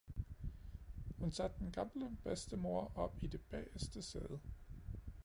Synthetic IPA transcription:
hunsæd̥̚ːenɡ̥ɑ̈mləb̥esd̥əmo̝ɐ̰ʔɒ̽b̥id̥e̝b̥ɛ̰ːsd̥əsḛːðˠə

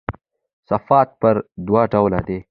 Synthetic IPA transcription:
sɐfaːt̪̚pɐɾd̪waːʈawlad̪e

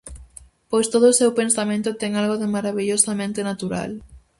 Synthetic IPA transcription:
pojst̪oð̞ʊːsewpensamẽnt̪ʊt̪ɛŋalɣoðɪmaɾaβiʎosamẽnt̪enat̪uɾa̰l

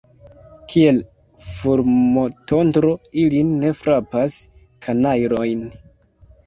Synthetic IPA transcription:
kʰie̞l | fuɾmoto̞ntɾo̞ilinːe̞fɾapas | kʰanajɾo̞jn

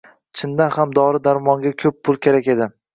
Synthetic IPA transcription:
t͡ʃʰɪnd̪anhamd̪ɒɾɪd̪aɾmɒŋɡʲakʲʰɵpʰːʊlˠkʲʰe̞ɾakʲe̞d̪ɪ

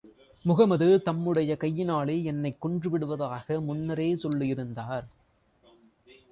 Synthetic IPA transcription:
mʊɣɐmɐðɯt̪ɐmːɯɽɐjɐkɐjːɪnaːɭɐɛnːɐɪkːɔɳdrɯʋɪɽɯʋɐðaːɣɐmʊnːɐɾeːsɔlːɯɪɾɯnd̪aːɾ

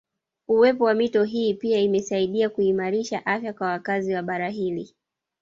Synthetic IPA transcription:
uwɛpɔwamitɔɦiːpiaimɛsaiɗiakuimaɾiʃaʔafjakwawakaziwaɓaɾaɦili

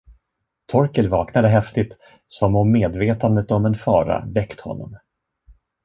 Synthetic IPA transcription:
t̪ʰɔɾkəlvɑːknad̪əɦɛft̪ɪt̪ | sɔmɔmːeːd̪veːt̪and̪ət̪ɔmɛnfɑːɾa̰vɛkt̪hɔ̰nːɔ̰m

